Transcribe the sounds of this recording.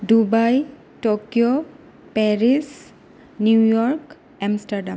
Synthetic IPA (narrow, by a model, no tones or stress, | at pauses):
dubaj | tokijo | pɛɹis | njujɔɹk | ɛmstaɹdam